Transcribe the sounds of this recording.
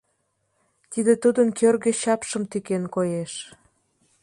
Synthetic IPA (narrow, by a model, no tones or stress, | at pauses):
t̪id̪et̪ud̪ənkʰørɣĕɕɑpʃəmt̪ykenkojeʃ